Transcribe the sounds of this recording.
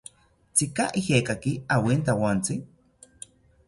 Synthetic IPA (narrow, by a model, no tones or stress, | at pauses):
t͡sikaʔihekakiawint̪awant͡si